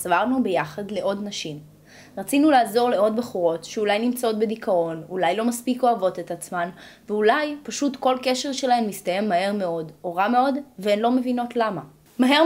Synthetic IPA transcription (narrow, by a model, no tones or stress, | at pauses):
savaʁnube̞jaχadle̞ʔo̞dnaʃim | ʁat͡sinulaːzo̞ʁle̞o̞dbeχuʁo̞tʃeulajnimt͡sao̞tbedikao̞nulajlo̞maspiko̞avo̞tetat͡smanveulajpaʃutko̞lke̞ʃe̞ʁʃe̞laemːistaje̞mːahe̞ʁme̞o̞do̞ʁame̞o̞dveenlo̞me̞vino̞tlama | maɦe̞